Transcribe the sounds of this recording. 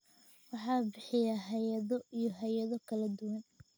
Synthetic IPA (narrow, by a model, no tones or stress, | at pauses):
wɑħɑːbɪħɪjaːɦɛjɐðɔijɔɦɛjɐðɔkʰɐlɐd̪ʊwɐn